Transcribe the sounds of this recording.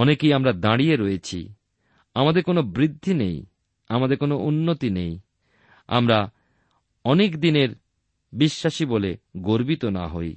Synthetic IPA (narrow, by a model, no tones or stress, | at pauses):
ɔnekejamɾad̪aɽijeɾojet͡ɕʰḭ | amad̪eɾkonobɾid̪ʱːinej | amad̪eɾkonoʔunːot̪inej | a̰mɾa | ɔnekd̪ineɾ | biʃːaʃiboleɡoɾbit̪ona̰ɦoj